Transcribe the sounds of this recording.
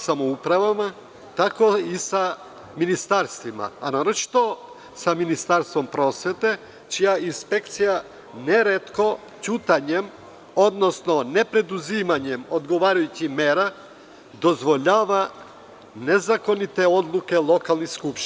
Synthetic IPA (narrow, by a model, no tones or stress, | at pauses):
samoupɾavama | t̪akoisa | minist̪aɾst̪vima̰ːnaɾot͡ʃi̥t̪o | saminist̪aɾst̪vompɾosʋɛt̪ɛ | t͡ʃijainspɛkt̪sija | nɛɾɛt̪ko | t͡ʃut̪aɲɛm | od̪nosnonɛpɾɛd̪uzimaɲɛmod̪ɡoʋaɾajucimɛɾa | d̪ozʋoʎaʋa | nezakonit̪ɛod̪lˠukɛlˠokalˠniskupʃ